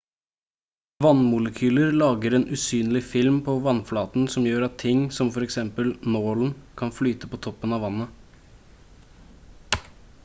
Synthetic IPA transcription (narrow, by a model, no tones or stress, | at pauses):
ʋɑnmʊləkʰyːləɾlɑːɡəɾeːnʔʉsyːnlɪfɪlmpʰɔʋɑnflɑːt̪n̩sɔmjøːɾɑt̪ʰːɪŋsɔmfɔɾɛksɛmpəlnoːln̩kʰɑnflyːt̪əpʰɔt̪ʰɔpːənɑʋɑnːə